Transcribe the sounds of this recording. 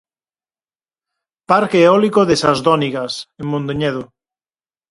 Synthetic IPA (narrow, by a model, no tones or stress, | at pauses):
paɾkeːɔlikoðesazðɔniɣasemmõnd̪eɲeð̞o